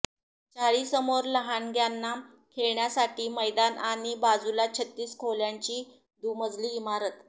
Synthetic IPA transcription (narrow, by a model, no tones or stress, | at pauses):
t͡saɭiːsəmoɾləɦanɡʱjanːam | kʰeɭɳjasaʈiːməjd̪anaɽ̃ibad͡zulat͡ɕʰət̪ːiːskʰoljaɲt͡ɕiː | d̪uməd͡zliːmaɾət̪